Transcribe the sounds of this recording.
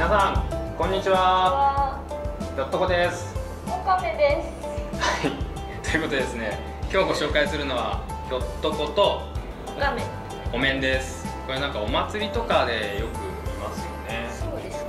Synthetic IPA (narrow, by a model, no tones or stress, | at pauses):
mʲinasãŋkõ̞ɲ̟ːit͡ɕiβa | kʲo̞t̪ːo̞ko̞d̪e̞sɨ̥ | oɡamẽnd̪es | hai | t̪o̞jɯ̟kot̪oe̞sɨne̞ | kʲo̞ːɡo̞ɕo̞ːkaisɨɾɯ̟no̞βa̰ | çʲo̞t̪ːo̞ko̞t̪o̞ | ɡamẽ | ɡo̞mẽ̞nd̪e̞sɨ̥koɾenãŋkao̞mat͡sɨɾʲit̪o̞kad̪e̞jo̞kɯ̟imasɨjo̞̰ne̞ | od̪e